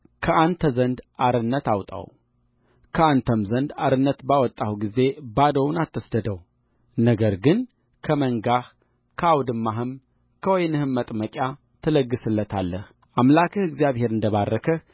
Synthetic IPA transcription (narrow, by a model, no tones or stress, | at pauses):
kʰəʔant̪ʰəzənd̪ʔaɾɨnːət̪awt̪ʼa̰w | kʰəant̪ʰəmzənd̪aɾɨnːət̪bawɔt̪ʼːahuɡize̞bad̪əwnat̪ʰːəsd̪əd̪əw | nəɡəɾɡɨn | kʰəməŋɡah | kʰəawd̪ɨmːaɦɨm | kʰəwɔjnɨhɨmːət̪ʼməkʼja | t̪ʰələɡːɨsɨlːət̪ʰalːəh | ʔamlakʰɨhɨɡzijaβhe̞ɾɨnd̪əβarːəkʰə